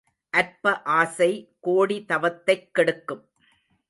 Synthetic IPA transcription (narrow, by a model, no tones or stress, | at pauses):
ʔɐɾpɐʔaːsɐɪkoːɽit̪ɐʋɐt̪ːɐɪkːɛɽɯkːɯm